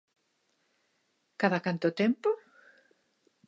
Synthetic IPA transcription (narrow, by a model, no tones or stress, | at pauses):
kaðakant̪ʊt̪empʊ